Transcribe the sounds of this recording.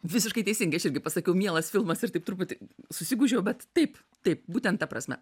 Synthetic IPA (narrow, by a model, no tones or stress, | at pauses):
ʋʲɪsʲɪʃkɐɪt̪ʲɛɪsʲɪŋɡɐɪɐʃɪɾʲɡʲɪpɐsɐkʲɛʊmʲiɛlˠɐsfʲɪlˠmɐsɪrtɐɪp̚t̪ʊupʊt̪ʲsʊsʲɪɡuːʒʲɛjʊbʲɛt̪tɐɪp | t̪ɐɪp̚buːt̪ʲɛnt̪t̪ːɐpɾɐsʲmʲɛ̰